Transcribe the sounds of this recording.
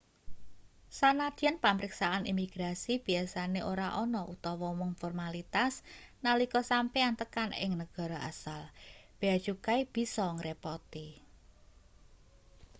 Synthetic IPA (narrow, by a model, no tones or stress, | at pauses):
sanad̪ɛnpamɾiksaʔanimiɡ̥ɾasib̥i̤asaneʔoɾaʔɔnɔʔut̪ɔwɔmɔŋfɔrmalit̪asnalikɔsampeant̪əkanɪ̰ŋnəɡ̥a̤ɾɔʔasalb̥ead̥ʒ̥ukaib̥i̤sɔŋɾepɔt̪i